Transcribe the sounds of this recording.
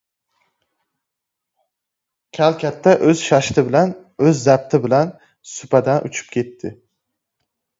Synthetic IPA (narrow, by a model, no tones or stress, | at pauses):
kʲʰælkʲʰæt̪ʰːæʔɵz̥ʃɑʃt̪ʰɪbɪlæn | øzːæp̚t̪ʰɪbɪlæn | sʊpʰæd̪ænʔṵt͡ʃʰy̥p̚kʲʰet̪ʰːɪ